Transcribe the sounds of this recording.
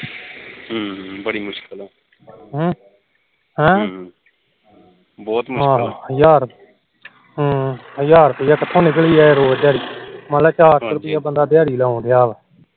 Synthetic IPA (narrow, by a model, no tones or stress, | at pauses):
ɦbəɽiːmʊʃkəlɛː | ɦ | ɦɛ̃ː | bɔːt̪mʊɦãːəjaːɾ | ɦəjaːɾpəjaːkət̪ʰːõːnɪkɭiːɛːeɾoːd̪jaːɾiːmalaːt͡ʃaːɾsɾʊpɪjaːbənd̪aːd̪jaːɾiːlaːõːd̪ɪjaːʋ